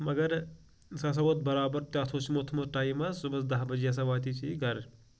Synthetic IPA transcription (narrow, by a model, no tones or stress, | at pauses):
mɐɡɐɾ | sas̬ɐbot̪̚bɐɾaːbɐɾt̪at̪ʰoːt͡ʃʰimot̪ʰmoʈaːjmɐsumɐsd̪ɐɦbɐd͡ʒjɐs̬ɐʋaːt̪iːt͡ʃʰiɡɐɾ